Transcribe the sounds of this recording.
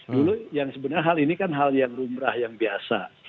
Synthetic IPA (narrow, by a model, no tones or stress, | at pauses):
dulujaŋsəbənarɦalinikanɦaljaŋrumɾahjaŋbiasa̰